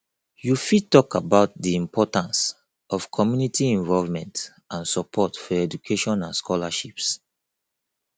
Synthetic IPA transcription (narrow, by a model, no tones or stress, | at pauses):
jufitːɔkabaʊt̚diĩmpʰɔtãns | ɔfkʰɔmjunitʰiɛ̃ɱvɔlvmɛ̃nt | ãnsɔpʰɔtfɔɛd͡ʒukʰeʃɔ̃nãnskʰɔlaʃips